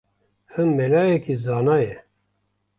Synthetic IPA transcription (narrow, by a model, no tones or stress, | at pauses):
hɨmːelaːjɛkizaːnaːjɛ